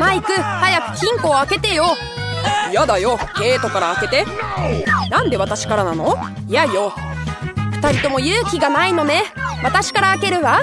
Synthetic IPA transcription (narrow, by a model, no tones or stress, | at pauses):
maikɯ̟hajakɯ̟̥kʲĩŋko̞ːake̞t̪e̞jo̞ | jad̪ajo̞ke̞ːt̪o̞kaɾaːke̞t̪e̞ | nãnd̪e̞β̞at̪aɕi̥kaɾanano̞ | ijajo̞ | ɸɯ̟̥t̪aɾʲit̪o̞mo̞jɯ̟ːkʲiɡanaino̞ne̞βat̪aɕi̥kaɾaːke̞ɾɯ̟βa